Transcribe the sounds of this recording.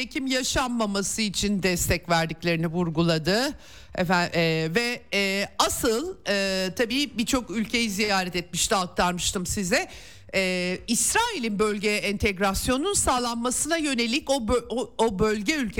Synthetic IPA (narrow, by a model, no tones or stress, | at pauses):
ecʰimjaʃanmamasɯit͡ʃʰind̪ɛst̪ʰɛcvæɾd̪iclʲe̞ɾinivuɾɡulˠad̪ɯ | ɛævɛ | asɯlˠɯːt̪ʰabiːbit͡ʃʰo̞kylʲcʰejizijaːɾɛt̪ɛt̪̚miʃt̪ʰialˠk̚t̪ʰaɾmɯʃt̪ʰɯmsizɛ | ɛːisɾaːilʲinbø̞lʲɟejɛʔɛnt̪ʰɛɡɾasjo̞nunsaːlˠanmasɯnajø̞nelʲicobobø̞lʲɟɛylʲcʰ